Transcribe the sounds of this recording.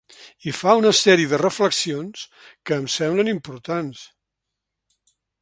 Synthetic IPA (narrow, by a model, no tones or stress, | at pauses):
ifaunəsɛɾiəðərəfləksionskəːmsɛmblənimpuɾt̪ans